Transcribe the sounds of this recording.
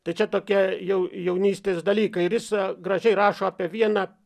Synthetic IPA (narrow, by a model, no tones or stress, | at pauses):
t̪ɐɪt͡ʃʲɛt̪oːkʲiɛjɛʊjɛʊnʲiːsʲt̪ʲeːsd̪ɐlʲiːkɐɪɪɾjɪsɡɾɐʒʲɛɪɾɑːʃoːɑːpʲiɛʋʲiɛnɑː